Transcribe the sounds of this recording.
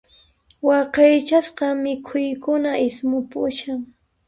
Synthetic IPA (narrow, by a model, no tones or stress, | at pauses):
wɑqɑjt͡ʃasqɑmɪkʰʊjkʊnaʔɪsmʊpʊʃaŋ